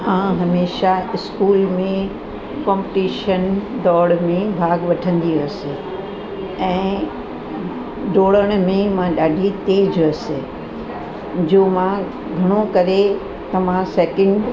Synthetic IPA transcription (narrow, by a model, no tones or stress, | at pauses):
ɦãɦɐmeːʃaɪskuːlmẽ | kɔ̃ːmpʈiːʃənd̪ɔːɽmẽbʱaːɡʋɐʈʰə̃nd̪iɐse | ɛ̃ː | ɖoːɽəɽ̃mẽmãɗaːɖʱit̪eːd͡ʑɐse | d͡ʑoːmã | ɡʱɐɽ̃õkɐɾe | t̪ɐʋãsɛːkɪ̃ɳɖ